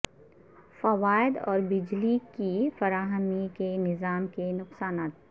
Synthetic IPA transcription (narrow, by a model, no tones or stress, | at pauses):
fɐʋaːɪd̪ɔ̰ːɾbɪd͡ʒlikifɐɾaːɦəmikenɪzaːmkenʊqsaːnaːt̪̚